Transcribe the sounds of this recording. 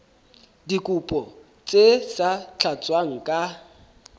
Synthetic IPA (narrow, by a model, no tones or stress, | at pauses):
dikʼupʼɔ | t͡sʼesat͡ɬʰat͡sʼwaŋ̩kʼa